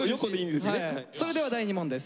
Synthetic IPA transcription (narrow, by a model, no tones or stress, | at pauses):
jokonimid̪esneaso̞ɾe̞d̪e̞βad̪aiɲ̟imõ̞nd̪e̞sɨ̥